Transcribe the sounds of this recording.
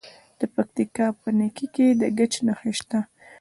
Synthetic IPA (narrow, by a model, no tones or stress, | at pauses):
d̪̥əpak̚t̪ikɑpənekiked̪əɡət͡ʃnaxeʃt̪a